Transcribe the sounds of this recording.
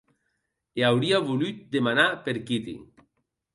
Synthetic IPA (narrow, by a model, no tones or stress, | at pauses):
eawɾiaβulyt̪̚d̪emanapeɾkit̪ḭ